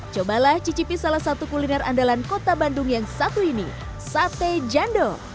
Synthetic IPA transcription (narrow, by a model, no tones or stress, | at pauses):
t͡ʃobalaht͡ʃit͡ʃipisalahsat̪ukulinɛra̰ndalankot̪abanduŋjaŋsat̪uinḭ | sat̪ed͡ʒando